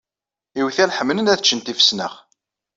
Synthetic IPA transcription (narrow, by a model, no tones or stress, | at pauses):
iwθælħəmːənənæθət͡ʃːənt̪ifə̥snə̰ʁ